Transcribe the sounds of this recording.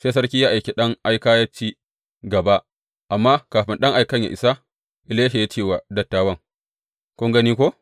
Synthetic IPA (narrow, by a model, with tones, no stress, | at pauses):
seː˦sɐ˦rkʲiː˦jaː˦ʔa˨jkʲe˨ɗɐ˦ŋʔa˦jkaː˦ja˦t͡ʃiː˦ | ɡɐ˨ba˦ | ʔa˨mːaː˦kaː˨ɸɪ˦nɗɐ˦ŋʔa˨jkɐ˦ɲja̰˨ʔɪ˨sa˦ | ʔɪ˨leː˦ʃe˨jaː˦t͡ʃeː˦˨wa˨dɐ˨tːaː˦wɐ˦˨ŋ | kʷʊ˦ŋɡɐ˦niː˦kʷo˦